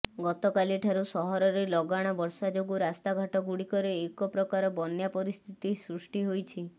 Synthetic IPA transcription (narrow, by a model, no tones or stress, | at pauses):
ɡɔt̪ɔkaliʈʰaɾusɔɦɔɾɔɾelɔɡaɽ̃ɔbɔɾsad͡ʒoɡuɾast̪aɡʱaʈɔɡuɽikɔɾeːkɔpɾɔkaɾɔbɔnjapɔɾist̪ʰit̪isɾusʈiɦojt͡ʃʰi